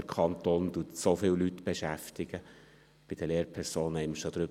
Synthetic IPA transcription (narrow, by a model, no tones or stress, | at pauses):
əɾkʰɑnt̪oːnd̥̪uətsofɪllyt̪ːbeʃæft̪ɪɡ̥ə | b̥ɪd̥̪əleːɾpʰɛɾsoːnhɛɪməʃod̥̪ɾʏ